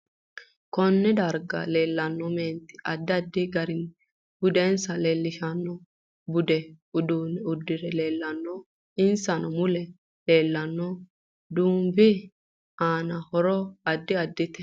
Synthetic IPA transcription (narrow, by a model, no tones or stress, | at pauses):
kɔnːɛd̪ɐɾɡɐ̰le̞ːlːɐnːɔmeːnt̪ɪ̥ɐd̪ːɐd̪ːɪɡɐɾɪn | b̥ʊd̪eːnsɐleːlːɪʃɐnːɔ | bʊd̪ɛʊd̪uːnɛʊd̪ːɪɾɛle̞ːlːɐnːɔ | ɪnsɐnɔmʊlɛ | le̞ːlːɐnːɔ | d̪uːmbɪ | aːnɐhɔɾɔɐd̪ːɪɐd̪ːɪt̪ɛ̥